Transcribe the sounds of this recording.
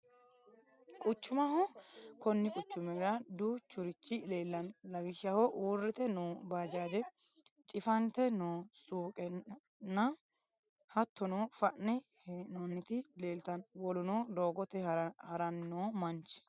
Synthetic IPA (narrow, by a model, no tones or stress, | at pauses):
kʼʊt͡ʃːʊmɐhɔkɔnːɪkʼʊt͡ʃːʊmɛɾɐd̪uːt͡ʃːʊɾɪt͡ʃːɪleːlːɐnlɐwɪʃɐhɔʔuːrːɪt̪ɛnoːbaːd͡ʒaːd̪ɛ | t͡ʃʼɪfɐnt̪ɛnoːsuːkʼɛ | nːɐ | hɐt̪ːɔnoːfɐʔnɛhnoːnːɪt̪ɪleːlt̪ɐnwɔlʊnoːd̪oːɡɔt̪ɛhɐɾɐnnoːmɐnt͡ʃ